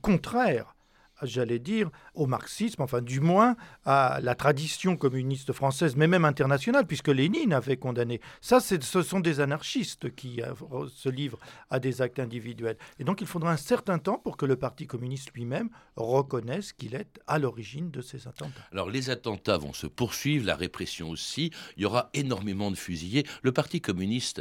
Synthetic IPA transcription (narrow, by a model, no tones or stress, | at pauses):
kɔ̃t̪χɛʁ | ʒalɛd̪iːʁomaʁksismɑ̃fɛ̃d̪ymwɛ̃alat̪χad̪isjɔ̃kɔmynist̪fχɑ̃sɛzmɛmɛmɛ̃t̪ɛʁnasjɔnalpɥiskəleninavɛkɔ̃d̪anesasɛsəsɔ̃d̪ezanaʁʃist̪kʲḭsəlivʁad̪ezak̚t̪ɛ̃d̪ivid̪ɥɛled̪ɔ̃kilfod̪ʁaɛ̃sɛʁt̪ɛ̃t̪ɑ̃puʁkələpaʁt̪ikɔmynist̪lɥimɛmʁəkɔnɛskʲilɛt̪alɔʁiʒind̪əsezat̪ɑ̃t̪aalɔ̰ʁlezat̪ɑ̃t̪avɔ̰̃sə̰puʁsɥivʁla̰ʁepχɛsjɔ̃osiiljɔʁaenɔʁmemɑ̃d̪əfyzijeləpaʁt̪ikɔmynist̪